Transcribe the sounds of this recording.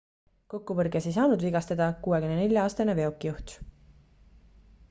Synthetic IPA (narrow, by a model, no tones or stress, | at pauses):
ko̞kːuvɤrɡese̞js̬ɑːnud̪viɡɑst̪ɑd̪̥ɑkuːe̞kymnene̞ljɑɑːst̪ɑneve̞o̞kːˑijuht̪